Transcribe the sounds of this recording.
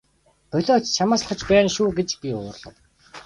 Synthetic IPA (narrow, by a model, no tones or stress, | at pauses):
pœɮɔːt͡ɕt͡ɕʰamaːsχə̆t͡ɕpæːnʃuːɡet͡ɕpiʊ̰ːrɮə̆w